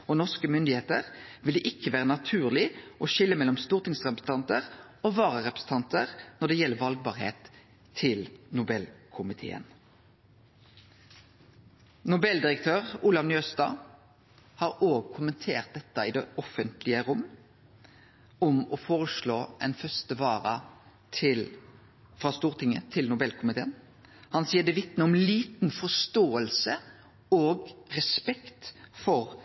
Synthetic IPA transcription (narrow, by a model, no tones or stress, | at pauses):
ɔnɔskəmʏnd̪ɪheːt̪əʁʋɪlɛʔɪkːəʋæːʁənɑt̪ʰʉːʁlɪʔɔʃɪlːəmɛlːɔmst̪uːʁt̪ɪŋsʁɛpəsət̪ʰɑnt̪əʁ | oːʋɑːʁəʁɛpʁəsə̥t̪ʰɑnt̪əʁnɔʁɖ̪ɛjɛlːəʋɑlɡ̚bɑːʁhḛːt̪ʰː | ɪlnʊbɛlkʰʊmɪt̪ʰḛːə̰n | nʊbɛld̪ɪʁəkt̪ʰøːʁuːlɑʋnjøːst̪ɑ̰ː | hɑːɾoːɡ̚kʰʊmənt̪ʰeːʁt̪̚d̪ɛt̪ːəɪd̪ɛʔɔfənt̪lɪəɾʊmː | ɔmɔfoːɾəʂɭoːɛnfœst̪əʋɑːɾə | t̪ʰɪl | fɾɑːst̪uːʁt̪ʰɪŋə̰t̪ʰɪlnʊbɛlkʰʊmɪt̪ʰeːn | hɑnsiːəd̪ɛʋɪt̪nəɔmliːt̪n̩fɔst̪oːəlsə | oːɡʁɛspɛkt̪fɔʁ